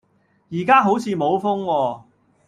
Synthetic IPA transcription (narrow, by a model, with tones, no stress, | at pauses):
jiː˨˩kaː˥ɦo˨˥wt͡sʰiː˨˧mo˨˧wfʊ˥ŋwɔː˧